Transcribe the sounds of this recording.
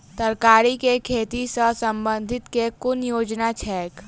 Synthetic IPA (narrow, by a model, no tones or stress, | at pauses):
t̪ɐɾkaːɾikekʰeːt̪isəsɐ̃mbə̃nd̪ʱɪt̪kekʊnjoːd͡ʒnat͡ʃʰɛːk